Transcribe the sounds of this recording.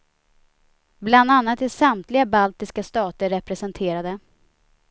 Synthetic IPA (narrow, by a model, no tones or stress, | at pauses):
bland̪anːat̪̚d̪ɛsamt̪lɪɡabalt̪ɪskast̪ɑːt̪əɾɛpɾɛsɛnt̪ʰeːɾad̪ə